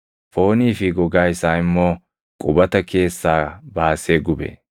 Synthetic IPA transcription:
fo̞ːniːfɪɡɔɡaːjsaːɪmːo̞ː | kʼʊbɐt̪ɐkʰe̞ːsːaːbaːseːɡʊbḛ

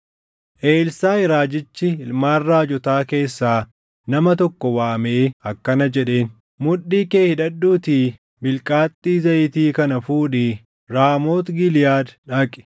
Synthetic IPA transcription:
ʔe̞ːlsaːɪɾaːd͡ʒɪt͡ʃːɪɪlmaːrːaːd͡ʒɔt̪aːke̞ːsːaː | nɐmɐt̪ɔkːɔwaːmeːɐkːɐnɐd͡ʒɛᶑe̞ːn | mʊᶑːiːkeːhɪᶑɐd̪ːuːt̪iː | bɪlkʼaːt̪ʼːiːzɐjɪt̪iːkɐnɐfuːᶑɪ | ɾaːmo̞ːt̪ɡɪlɪjaːd̪ᶑaːkʼɪ̥

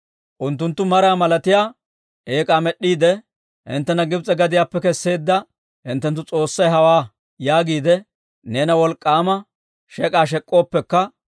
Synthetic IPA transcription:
ʔʊnt̪ːʊnt̪ːʊmɐɾaːmɐlɐt̪ɪjaː | ʔeːkʼaːmɛɗːiːd̪ɛ | hɪ̰nt̪ːɛnɐɡɪbt͡sʼɛɡɐd̪ɪjaːpːɛkɛsːe̞ːd̪ːɐ | hɪnt̪ːɛnt̪ːʊt͡sʼo̞ːsːɐjɦɐwaː | jaːɡiːd̪ɛ | ne̞ːnɐwɔlkʼːaːmɐ | ʃɛkʼaːʃ̬ɛkʼːo̞ːpːɛkːɐ

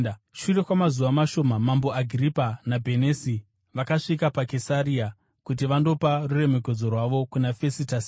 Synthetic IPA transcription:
ʃure̞kwamazuʋamaʃo̞ːmamambo̞aɡʱiripanabʱe̞nesi | ʋakaʂikapake̞saria | kut̬iʋando̞parure̞me̞k̬e̞d͡zo̞rwaʋo̞kunafe̞sitas

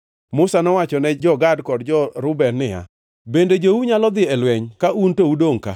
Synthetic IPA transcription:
mʊsanɔwat͡ʃɔnɛd͡ʒɔɡadkɔdd͡ʒɔɾʊbɛnːɪja̰ | bended͡ʒouɲalɔd̪ɪɛlwɛɲkaʔuntoudoŋka

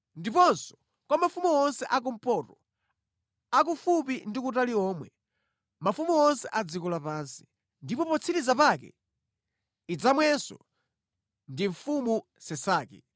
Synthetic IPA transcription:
ndipɔnsɔ̥ | kwamafumuwɔnsɛʔak̬um̩pɔɾɔ | ak̬ufupindikutaliɔːmwɛ | mafumuɔnsɛ̰ʔad͡zikulapaːnsi̥ | ndipɔpɔt͡sʰiɾizapakɛ̰ | id͡zamwɛsɔ̰ | ndiɱfumu | sɛsaːkɛ

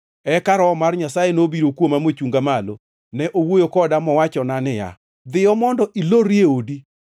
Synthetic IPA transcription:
ɛkaɾɔmarɲasajenobiɾokwomamot͡ʃuŋɡamalo | nɛʔowojokɔdamɔwat͡ʃɔnanɪja̰ | d̪ɪɔmɔndɔʔiloɾjeodi

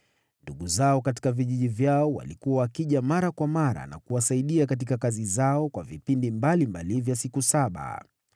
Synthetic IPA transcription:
nduɠuzaɔkati̥kaviʄiʄivjaɔwa̰likuwaːkiʄamaɾakwamaɾa̰na̰kuwasaiɗiakat̬ikakazizaɔkwavipindimbalimbalivjasikusaɓa̰

